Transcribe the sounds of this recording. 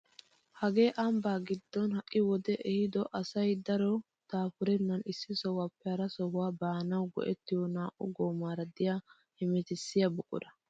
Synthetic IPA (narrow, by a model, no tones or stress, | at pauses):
hɐɡe̞ːʔɐmbaːɡɪd̪ːɔnhɐkʼːɪwɔd̪ɛʔɛhɪd̪ɔʔɐsɐjd̪ɐɾɔ | t̪aːfʊɾɛnːɐnɪsːɪsɔwapːɛhɐɾɐsɔhʊwaːbaːnɐwɡɔ̰ʔɛt̪ːɪjɔnaːʔʊɡoːmaːɾɐd̪ɪjaː | hɪmɛt̪ɪsːɪjɐbʊkʼʊ̰d̪ɐ